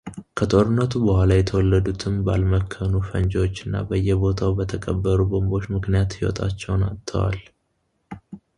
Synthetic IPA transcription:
kʰət̪ʼo̞ɾɨnːət̪ʰubəhʷalajɛt̪ʰəwɔlːəd̪ut̪ʰɨmba̰lməkʰːənufənd͡ʒot͡ʃːɨnːa̰bəjːɛbo̞t̪ʰawbət̪ʰəkʼəbːəɾubo̞mbo̞t͡ʃːmɨknijat̪jɪwɔ̰t̪ʼa̰t͡ʃːɛwna̰t̪ʰːə̰wa̰l

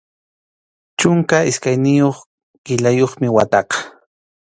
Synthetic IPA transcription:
t͡ʃʊŋkaɪskajnɪjoχ | kɪlajoχmɪwat̪ɑqɑ̥

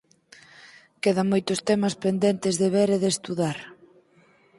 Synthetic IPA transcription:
keðɐmojt̪ʊst̪ɛmɐspend̪ent̪ɪzðeβeɾeðest̪uðaɾ

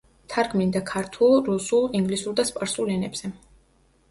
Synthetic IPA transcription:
t̪ʰaɾɡmind̪akʰaɾt̪ʰulˠɾusulˠiŋɡlisuɾd̪aspʼaɾsulɛnɛbz̥ɛ

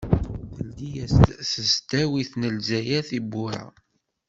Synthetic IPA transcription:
θəld̪ijæssəst̪æwiθnəlzæjæθibːʊɾa̰

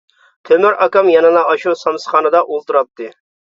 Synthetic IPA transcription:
t̪ʰømyɾʔɑkɑmjɑnɨnɑʔɑʃusɑmsχɑːnɨd̪ɑʔolˠt̪uɾɑp̚t̪ʰːɨ

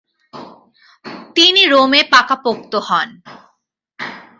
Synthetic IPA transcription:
t̪iniɾomepakapokt̪ohɔn

